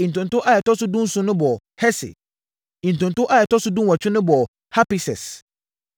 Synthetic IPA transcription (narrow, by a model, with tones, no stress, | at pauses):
i˨n̩˨tʊ̃˨ntʊ̃˦ʔa˦jɛ˨tɔ˦sʊ˦dũ˦n˦sʊ̃˦nʊ̃˦bɔ˨ | hɛ˦sɪ̰˨ | ĩ˨n˨tʊ̃˨n˨tʊ̃˦ʔa˦jɛ˨tɔ˦sʊ˦dũ˦n˦wa˨t͡ɕᶣɪ˦nʊ̃˦bɔ˨ | ha˦pi˨sɛ˨s